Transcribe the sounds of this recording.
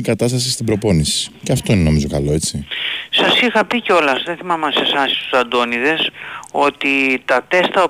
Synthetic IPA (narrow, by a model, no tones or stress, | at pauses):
ikɐt̪ɐst̪ɐsist̪ibɾo̞po̞nisi̥ceɐft̪o̞ine̞no̞mizo̞kɐlo̞e̞t͡sisɐsixɐpiceo̞lɐsðeθimɐmɐse̞sɐsi̥st̪u̥sɐnd̪o̞niðe̞so̞t̪it̪ɐt̪e̞st̪ɐo